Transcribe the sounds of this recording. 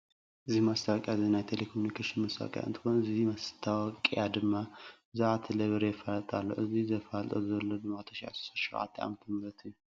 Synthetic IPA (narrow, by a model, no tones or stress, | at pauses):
ʔɨzːihmast̪ʰawkʼjazinajt̪ʰelekʰomunikʰeʃɪnmast̪ʰaw̰kʼja̰ɨnt̪ʰɨ̥ko̞nɨzihmast̪ʰawɔkʼjad̪ɨmːa | zaʔat̪ʰeleβɾejɛfalt̪ʼalːo̰wʔɨzizəfalt̪ʼozlːodɨmat̪ʰəʃija̰so̥saʃiʔa̰t̪ʰːʔa̰mət̪ʰmɾət̪ʰɨjːu